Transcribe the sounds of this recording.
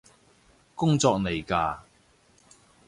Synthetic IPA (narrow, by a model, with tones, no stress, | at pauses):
kʊ˥ŋt͡sɔː˧k̚ne˨˩jkaː˧